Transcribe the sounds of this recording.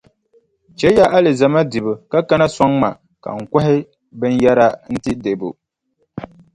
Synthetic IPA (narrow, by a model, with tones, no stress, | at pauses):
t͡ʃɛ˦ja˦ʔa˦lɨ˨za˨ma˦dɨ˨bɨ˨ka˦ka˦na˦sɔ˦ŋma˨ | ka̰˨ŋ̩˨kʷa˦ɦɪ˦ | bɨ˦n˦ja˦ɾa˦n̩˦tɪ˦de˨bo̰˨